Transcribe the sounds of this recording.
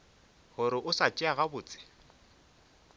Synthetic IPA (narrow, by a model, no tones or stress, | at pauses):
hʊɾɪʔʊsat͡ʃʼɪaɣabʊːt͡sʼɪ̥